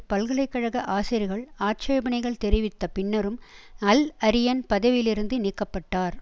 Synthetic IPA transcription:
pɐlɣɐɭɐɪkːɐɻɐɣɐʔaːsɪɾɪɣɐɭaːt͡ʃɐjɐbɐɳɐɪɣɐɭt̪ɛɾɪʋɪt̪ːɐpɪɳːɐɾɯmɐlɐɾɪjɐnpɐðɐʋɪlɪɾɯnd̪ɯnikːɐpːɐʈːaːɾ

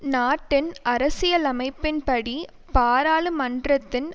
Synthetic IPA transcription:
naːʈːɪnʔɐɾɐsɪjɐlɐmɐɪpːɪnpɐɽi | paːɾaːlɯmɐndrɐt̪ːɪn

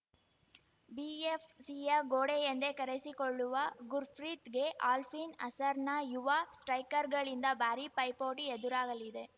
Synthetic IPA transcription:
biːefsijɐɡoːɽejɛnd̪eːkɐɾɛsikɔɭːɯʋɐɡʊɾfɾiːt̪ɡeʔaːlfiːnɐsɐɾnɐjʊʋaːsʈɾɐɪkːɐɾɡɐɭɪnd̪ɐbaːɾipɐɪpoːʈiɛðɯɾaːɣɐlɪðe

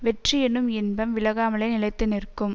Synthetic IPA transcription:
ʋɛʈrijɛnɯmɪnbɐmʋɪlɐɣaːmɐɭɐɪnɪlɐɪt̪ːɪnɪrkːɯm

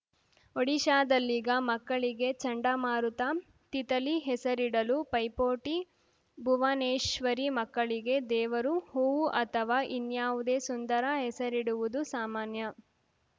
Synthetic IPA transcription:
oɽiʃaːd̪ɐlːiːɡɐmɐkːɐɭiɡe̞t͡ʃɐɳɖɐmaːɾut̪a | t̪it̪ɐliɦɛsɐɾiɽɐlupɐjpoːʈi | bʱuʋɐneːʃʋɐɾimɐkːɐɭiɡe̞d̪ɛːʋɐɾuhuʋuʔɐt̪ʰɐʋaːʔinjaːʋud̪eːsund̪ɐɾɐɦɛsɐɾiɽuʋud̪usaːmaːnjɐ

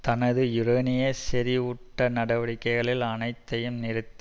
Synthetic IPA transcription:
t̪ɐnɐðɯɪɾɐnɪjɐsɛɾiʊʈːɐnɐɽɐʋɐɽɪkːɐɪɣɐɭɪlɐnɐɪt̪ːɐjɯmnɪɾɯt̪ː

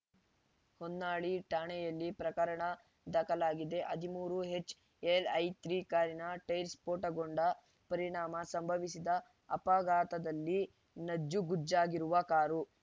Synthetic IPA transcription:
honːaːɭiʈaːɳɛjɐlːipɾɐkɐɾɐɳɐ | d̪ɐkɐlaːɡid̪e̞ʔɐd̪ʱimuːɾuɦe̞t͡ʃː | elɐjt̪ɾiːkaːɾinɐʈɐjɾspoːʈɐɡoɳɖɐ | pɐɾiɳaːmɐsɐmbʱɐʋisid̪ɐː | paɡaːt̪ɐd̪ɐlːi | nɐd͡ʒːuɡud͡ʒaːɡiɾuʋɐkaːɾu

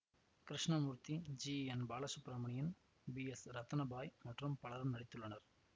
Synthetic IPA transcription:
kɾɪʂɳɐmuːɾt̪id͡ʒiːɛnbaːlɐsʊpɾamɐɳɪjɪn | biɛsɾɐt̪ːɐnɐbaːjmɐʈrɯmpɐɭɐɾɐmnɐɽɪt̪ːɯɭːɐnɐɾ

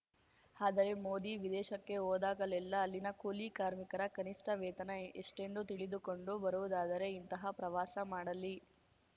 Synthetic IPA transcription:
aːd̪ɐɾe̞moːd̪iʋid̪ɛːʃɐkːe̞oːd̪aːɡɐlɛlːɐːlːinɐkuːlikaːɾmikɐɾɐkɐniʂʈɐʋɛːt̪ɐnɐeʂʈe̞nd̪ut̪iɭid̪uko̞ɳɖubɐɾuʋud̪aːd̪ɐɾe̞int̪ɐɦɐpɾɐʋaːsɐmaːɽɐlːi

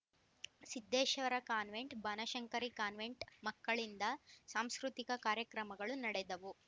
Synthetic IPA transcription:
sid̪ʱːeːʃɐʋɐɾɐkaːnʋe̞ɳʈbʱɐnɐʃɐŋkɐɾikaːnʋeɳʈmɐkːɐɭind̪ɐsaːmskɾut̪ikɐkaːɾjɐkɾɐmɐɡɐɭunɐɽɛd̪ɐʋu

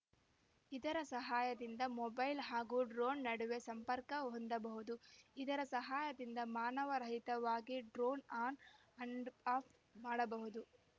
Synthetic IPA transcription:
id̪ɐɾɐsɐɦaːjɐd̪ind̪ɐmɔbɐjlɦaːɡuːɖɾoːnːɐɽuʋe̞sɐmpɐɾkɐɦond̪ɐbɐɦud̪uid̪ɐɾɐsɐɦaːjɐd̪ind̪ɐmaːnɐʋɐɾɐɦit̪ɐʋaːɡiɖɾoːnaːn | ɐɳɖaːp | maːɽɐbɐɦud̪u

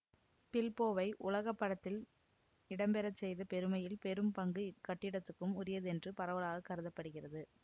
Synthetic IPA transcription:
pɪlpoːʋɐɪʔʊlɐɣɐpːɐɽɐt̪ːɪl | ɪɽɐmbɛɾɐt͡ʃːɛjðɐpɛɾɯmɐjɪlpɛɾɯmpɐŋɡɯkɐʈːɪɽɐt̪ːɯkːɯmʊrɪjɐðɯɛndrɯpɐɾɐʋɐlaːɣɐkːɐɾɯðɐpːɐɽɯɣɪrɐðɯ

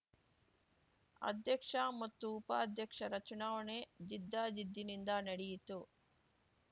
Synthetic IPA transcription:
ɐ̰d̪jɐkʂaːmɐt̪ːuːpaːd̪ʱjɐkʂɐɾɐt͡ʃunaːwɐneːd͡ʒid̪ːaːd͡ʒid̪ːinind̪aːnɐɽijit̪uː

